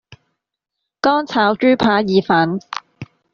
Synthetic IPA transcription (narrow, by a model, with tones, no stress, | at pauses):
kɔː˥ŋt͡sʰaː˨˥wt͡ʃyː˥pʰaː˨˧˥jiː˨˧faː˨˥n